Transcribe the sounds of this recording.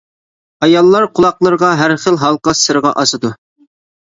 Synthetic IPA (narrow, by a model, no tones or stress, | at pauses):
ɑjɑlˠːɑɾqʰʊlˠɑqlˠəɾʁɑɦæɾχəlˠɦɑlˠqɑsɨɾəʁɑ̰ʔɑsɨd̪u